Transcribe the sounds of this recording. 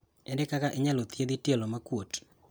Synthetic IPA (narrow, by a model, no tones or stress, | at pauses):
ɛndɛkakaʔeɲalot̪jed̪itjelɔmakwot